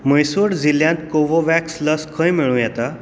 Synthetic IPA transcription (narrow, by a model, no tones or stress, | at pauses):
məjsuɽd͡ziljãnt̪koʋoʋæksləskʰə̃jmiɭũːjɛt̪a